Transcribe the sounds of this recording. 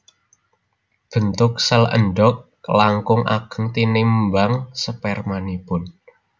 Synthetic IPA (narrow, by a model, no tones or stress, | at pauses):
b̥ə̤nt̪ʊk̚sələ̰nɖɔk̚ | laŋkʊŋʔa̰ɡ̥ə̤ŋt̪inɪmbaŋsəpɛrmanipʊn